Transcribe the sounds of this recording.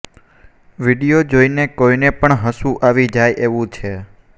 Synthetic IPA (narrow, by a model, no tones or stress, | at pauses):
ʋiɽijod͡ʒoinekoinepəɳɦəsũʔaʋid͡ʒajʔeʋũt͡ʃʰe